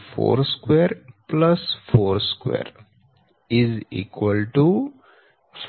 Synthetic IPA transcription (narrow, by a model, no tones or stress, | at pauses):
fo̰ːɾskweːɾplɐsfoːɾskwḛːɾ | ɪzḭːkwəlʈu | f